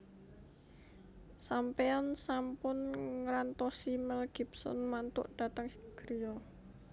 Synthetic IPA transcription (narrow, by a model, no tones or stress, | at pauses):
sampeansampʊnŋɾant̪ɔsimɛlɡ̥i̤psɔ̰nmant̪ʊ̰ʔd̥a̤t̪əŋɡ̥ɾijɔ